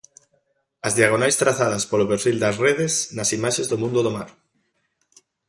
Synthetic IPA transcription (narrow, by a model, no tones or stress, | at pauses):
ɐzðiaɣ̞onajst̪ɾaθaðɐspolopeɾfild̪ɐsreðesnasimaʃezðomũnd̪oðomaɾ